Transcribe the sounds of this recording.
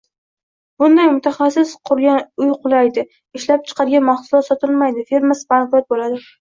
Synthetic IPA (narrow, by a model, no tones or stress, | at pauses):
b̥ʊnd̪ajmʊt̪ʰaχasɪsqʰʊɾɡʲanʊjqʰʊlˠajd̪ɪ | ɪʃlap̚t͡ʃʰɨ̥qʰɑɾɪɡʲanmaχsʊlˠɒt̪sɒt̪ʰɪlmajd̪ɪfe̞ɾmasɪ̥panfɪjɒt̪̚bolad̪ɪ